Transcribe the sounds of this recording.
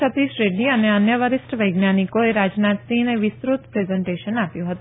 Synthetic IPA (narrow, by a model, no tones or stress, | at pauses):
ɐt̪iʃɾeːɖiɐneɐnjəʋəɾɪsʈəʋɐjɡnjaːnikoeɾaːd͡ʒnaːt̪sĩːneʋɪsɾut̪pɾeːzə̃ɳʈeːʃənaːpjuɦɐt̪o